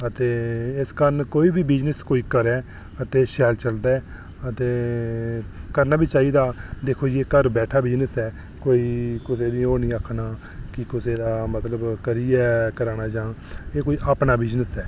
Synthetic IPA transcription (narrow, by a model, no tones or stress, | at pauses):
ət̪eːɪskəɾənkoːiːbiːbɪd͡ʒnəskoːiːkəɾɛː | ət̪eːʃɛːlt͡ʃəld̪aːɛː | ət̪eː | kəɾnaːbiːt͡ʃaːiːd̪aːd̪eːkʰoːd͡ʒeːkəɾbɛːʈʰaːbɪd͡ʒnəsɛː | koːiːkɪseːd̪ĩoːnĩːəkʰnaː | kɪkɪseːd̪aːmət̪ləbkəɾiːɛːkəɾaːnaːd͡ʒãː | eːkoːiːʔaːpnaːbɪd͡ʒnəsɛː